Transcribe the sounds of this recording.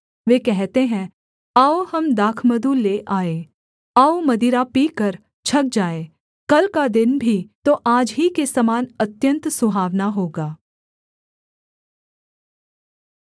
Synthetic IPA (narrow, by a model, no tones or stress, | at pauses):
ʋeːkɛɦt̪eɦɛ̃ | aːohɐmd̪aːkʰməd̪uleːʔaːeː | aːomɐd̪iɾapiːkɐɾ | t͡ʃʰɐk̚d͡ʒaːeː | kɐlkad̪ɪnbʱit̪oʔaːd͡ʒɦikesɐmaːnɐt̪jə̃nt̪sʊbʱaːʋnaɦoːɡaː